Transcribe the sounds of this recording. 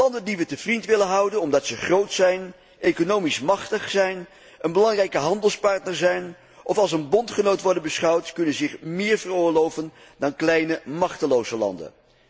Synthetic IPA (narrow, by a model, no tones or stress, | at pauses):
lɑndəndiʋətəv̥rintʋɪlənɦʌwdənɔmdɑtsəχrowtsɛjn | ʔejkonowmismɑχtəχsɛjn | ənbəlɑŋrɛjkəɦɑndəlˠspɑɹtnəɹzɛjn | ʔɔfɑlˠsənbɔntχənowtʋɔɹdənbəsχɑwtkɵnənzɪχmɪːɹvərʊːɹlowvən | dɑnklɛjnəmɑχtəlowzəlɑ̰ndə̰n